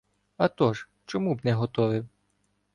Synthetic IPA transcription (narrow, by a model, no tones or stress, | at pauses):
ɐt̪ɔʒ | t͡ʃɔmubnɛɦɔt̪ɔʋɪw